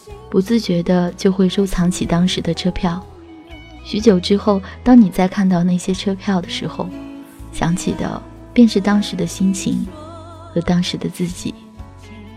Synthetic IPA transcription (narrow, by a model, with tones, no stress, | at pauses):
pu˧˥t͡sɹ̩˥˩t͡ɕɥɛ˧˥d̪ə˧t͡ɕjo˥˧ʊxwe˥˩ɪʂo˥ʊt͡sʰɑ˧˥ŋt͡ɕʰi˨˩t̪ɑ˥ŋʂɻ̩˧˥d̪ə˧ʈ͡ʂʰɤ˥pʰjɑ˥˩ʊ | ɕy˧˥t͡ɕjo˨˩ʊʈ͡ʂɻ̩˥xo˥˩ʊt̪ɑ˥ŋni˨˩t͡sa˥˧ɪkʰa˥˧nt̪ɑ˥˧ʊna˥˩ɪɕjɛ˥ʈ͡ʂʰɤ˥pʰjɑ˥˩ʊd̪ə˩ʂɻ̩˧˥xo̰˧ʊɕjɑ̰˧˥ŋt͡ɕʰḭ˨˩d̪ə̰˦ | pjɛ˥˧nʂɻ̩˥˩t̪ɑ˥ŋʂɻ̩˧˥d̪ə˧ɕi˥nt͡ɕʰḭ˧˥ŋ | xɤ˧˥t̪ɑ˥ŋʂɻ̩˧˥d̪ə˧t͡sɹ̩˥˩t͡ɕḭ˨˩˦